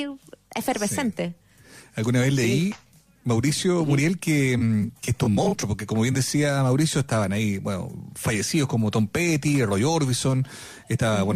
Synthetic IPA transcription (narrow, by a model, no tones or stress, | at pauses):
esfeɾβesent̪e | alɣunaβelei | mawɾisjomuɾjelkemket̪ummont̪ɾop̬oɾkekomoβe̞nd̪esiamawɾisjoeht̪aβanaibweno̰faʝe̞siðokomot̪o̞mpet̪irojoɾβison | eht̪aβaβwen